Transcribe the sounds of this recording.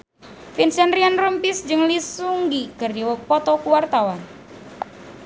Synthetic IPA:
finsɛnrianrəmpisd͡ʒɨŋlisuŋɡiɡ̥ərdiwəpɔt̪ɔkuwart̪awan

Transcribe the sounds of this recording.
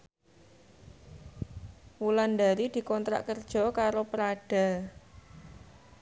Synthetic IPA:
wuland̪aɾid̪̥i̤kɔnt̪ɾa̰ʔkərd̥ʒ̥ɔ̤kaɾopəɾaɖ̥a̤

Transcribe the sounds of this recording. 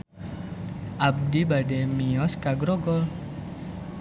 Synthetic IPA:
ʔab̚d̪ibaɖemiɔskaɡɾɔɡɔl

